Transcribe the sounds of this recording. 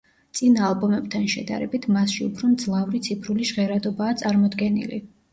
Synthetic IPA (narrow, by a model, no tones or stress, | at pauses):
t̪sʼinaalˠbɔmɛb̚t̪ʰanʃɛ̰d̪a̰ɾɛbit̪ʰmasʃiupʰɾɔmd̪zlˠavɾit̪sʰipʰɾuliʒʁɛɾad̪ɔbaːt̪sʼaɾmɔd̪ɡɛnḭlḭ